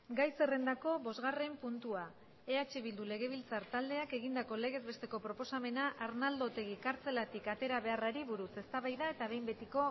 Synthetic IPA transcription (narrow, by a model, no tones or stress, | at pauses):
ɡajse̞re̞nd̪ako̞bo̞zɣare̞mpunt̪ua | e̞at͡ʃeβild̪ule̞ɣ̞e̞β̞ilt͡saɾt̪ald̪eake̞ɣind̪ako̞le̞ɣ̞e̞zβe̞st̪e̞ko̞pɾo̞po̞same̞naʔaɾnald̪o̞t̪e̞ɣ̞ikaɾt͡se̞lat̪ikat̪e̞ɾaβe̞araɾiβuɾuse̞st̪aβajðae̞t̪aβe̞jmbe̞t̪iko̞